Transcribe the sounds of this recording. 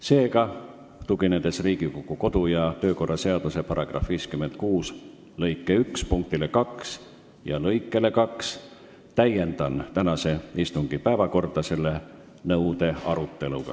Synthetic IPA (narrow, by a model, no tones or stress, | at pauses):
se̞ːɡɑ | t̪uɡ̥ined̪e̞sriːɡ̥ikokːˑuko̞d̪̥ujɑt̪ø̞ːko̞rːɑse̞ɑd̪̥use̞pɑɾɑɡ̥rɑ̰fviːskymːe̞nd̪̥̚kuːs | lɤ̞jkːˑe̞ykspuŋk̚t̪ilekɑks | jɑlɤjkːˑe̞le̞kɑks | t̪æjːe̞nd̪̥ɑnt̪ænɑse̞ist̪uŋɡ̥ipæevɑko̞rd̪̥ɑse̞lːe̞ | nɤud̪̥e̞ɑɾut̪ˑːe̞luɡ̥ɑ̰